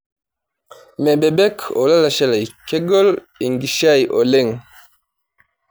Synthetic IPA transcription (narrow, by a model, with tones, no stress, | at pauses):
mɛ˨bɛ˨bɛ˦kʰɔ̰˨la˦la˨ʃɛ˦la˨jkɛ˦ɡɔ˦l | i˨ŋɡi˨ʃa˦jʔo˨lɛ˦ŋ